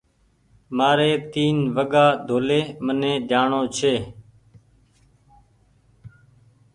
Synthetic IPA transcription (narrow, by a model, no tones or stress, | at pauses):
maːɾeːt̪iːnʋəɠaːd̪ʱoːleːmənẽːɗ̪ʱaːɳoːt͡ʃʰeː